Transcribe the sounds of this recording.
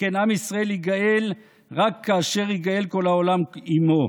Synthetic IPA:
enamisʁaeliɡael | ʁakʰːaːʃeʁiɡaelko̞laolamimo

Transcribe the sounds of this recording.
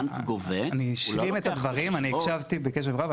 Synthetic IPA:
ɡoveaniʃlimet̪ad̪vaʁimaniɛkʃavt̪ibekeʃ̬evʁav

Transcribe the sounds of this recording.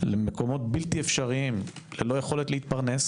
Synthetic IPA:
lemeko̞mo̞t̪bilt̪iefʃaʁiimlelo̞jeχo̞let̪leit̪paʁne̞s

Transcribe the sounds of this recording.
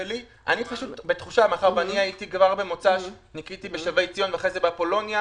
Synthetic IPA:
eli | ʔa̰nipaʃut̪bet̪χuʃamaχaʁveaniajitikvaʁbemo̞t͡saʃnikit̪ibeʃavejt͡sijo̞nveaχʁezebepo̞lo̞nja

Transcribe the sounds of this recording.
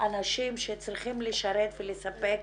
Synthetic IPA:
anaʃimʃet͡sʁiχimleʃaɾet̪velesape̞k̚

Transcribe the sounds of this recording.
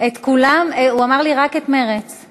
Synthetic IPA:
et̪kulameuamaʁliʁake̞t̪meʁet͡s

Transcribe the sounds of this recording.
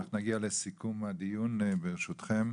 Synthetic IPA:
aχnunaɡialesikumad̪ijunbeʁeʃut̪χem

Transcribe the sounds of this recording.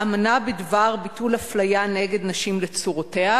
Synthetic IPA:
amanabedvaʁbitulaflajane̞ɡe̞d̪naʃimlet͡suʁote̞a

